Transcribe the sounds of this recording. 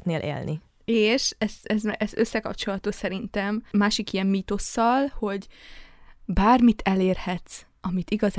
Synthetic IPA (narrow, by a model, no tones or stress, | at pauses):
t̪neːlʔḛːlnʔḭ | eːʃɛst̪ɛzmɛzøsːɛkɒpt͡ʃo̞lɒt̪oːsɛɾint̪ɛmmaːʃikijɛmmiːt̪o̞sːɒlho̞ɟ | baːrmit̪ʰɛleːrhɛt̪s | ɒmit̪iɡɒz